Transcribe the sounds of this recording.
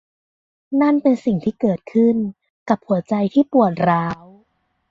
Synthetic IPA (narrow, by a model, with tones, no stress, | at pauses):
na˥˩npe˧nsi˨˩ŋt̪ʰiː˥˩kɤː˨˩t̪̚kʰɯ˥˩n | ka˨˩p̚hu˨˩˦ɐt͡ɕa˧jt̪ʰiː˥˩pu˨˩ət̪̚ɾaː˦˥w